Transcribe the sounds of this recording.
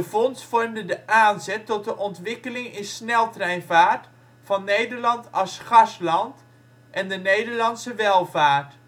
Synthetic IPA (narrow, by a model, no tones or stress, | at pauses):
dəfɔnsfɔrmdədəʔaːnzɛtːɔt̚dəʔɔntʋɪkəlɪŋɪnsnɛlˠtrɛjnvaːɹt | fɑnːejdəɹlɑntɑlˠsχɑslɑnt | ʔɛndənejdəɹlɑnsəʋɛlˠvaːɹt